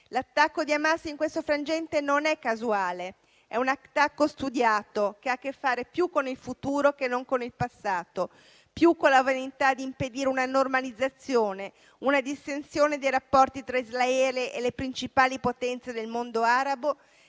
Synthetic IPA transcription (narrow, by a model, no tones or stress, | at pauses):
lat̪ːakːod̪iamasːiŋkwest̪ofɾand͡ʒɛnt̪enonɛkːazuaːle | ɛunat̪ːakːost̪ud̪jaːt̪okeakːefːaːɾepjukːonilfut̪uːɾok̟enːoŋkonilpasːaːt̪o | pjukːonlavanit̪ad̪iːmped̪iːɾeunanormalid̪zːat̪sːjoːne | unad̪ist̪ensjoːned̪ejɾapːɔrt̪it̪ɾaizlaɛːleʔelepɾint͡ʃipaːlipot̪ɛnt̪sed̪elmond̪oaːɾabo